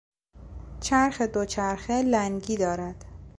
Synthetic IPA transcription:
t͡ʃʰæɾxed̪ot͡ʃʰæɾxelæŋɡiːd̪ɒːɾæd̪̥

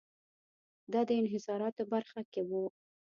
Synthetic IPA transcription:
d̪ɑd̪əɪnɦɪsɑɾɑt̪obaɾxakewu

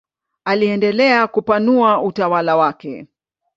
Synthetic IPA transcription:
aliɛndɛlɛakupanuautawalawakɛ̰

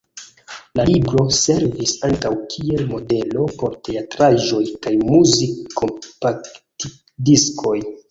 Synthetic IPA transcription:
lalibɾo̞se̞ɾvisaŋkawkʰie̞lmo̞de̞lo̞po̞ɾte̞atɾaʒo̞jkajmuzikʰːompakti | diskʰo̞j

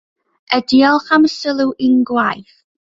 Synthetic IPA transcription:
ədiɔlˠχaməsəlˠuʔinɡwajθ

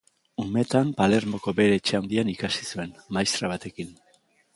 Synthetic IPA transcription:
ume̞t̪ampale̞ɾmo̞ko̞be̞ɾe̞ːt͡ʃe̞awnd̪ianikasisue̞nmajst̪ɾaβ̞at̪e̞kin

